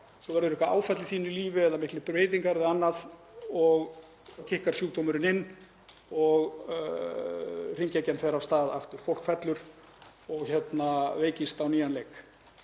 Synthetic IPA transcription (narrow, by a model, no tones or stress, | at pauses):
sɔvɛɾðʏɾɪhkaa̰ːwfɛt̪lɪθiːnʏɾliːvɪɛðamɪhklɪpɾveːjðiŋkaɾðɪanːað | ɔɣ | cʰɪhkaɾ̥sjuːt̪owmʏɾɪnɪnː | ɔɣ | r̥iɲcɛcɛnθɛɾavst̪aːða̰ft̪ʏɾ̥fowl̥kfɛt̪lʏɾ̥ | ɔɣçɛt̪naveːjcɪst̪awniːjanlejk